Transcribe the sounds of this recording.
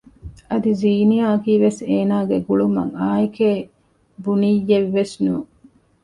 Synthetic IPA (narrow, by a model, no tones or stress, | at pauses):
ɐd̪iziːnijaːɐkiːʋeseːnaːɡeɡuɭumɐ̰ŋaːikeː | bunijːeʋːesnṵː